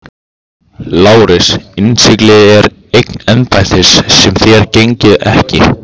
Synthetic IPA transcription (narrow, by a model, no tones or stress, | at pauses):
laːwɾɪsɪnsɪklɪðɪɛɾ | ejknɛnpajθɪsːɛmθjɛɾcejɲcɪðɛhcɪ̰